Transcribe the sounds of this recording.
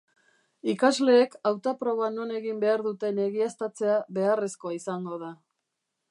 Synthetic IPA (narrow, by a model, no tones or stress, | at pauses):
ikazle̞ːkawt̪apɾo̞βano̞ne̞ɣimbe̞aɾðut̪e̞ne̞ɣiast̪at͡se̞aβe̞are̞sko̞aisaŋɡo̞ð̞a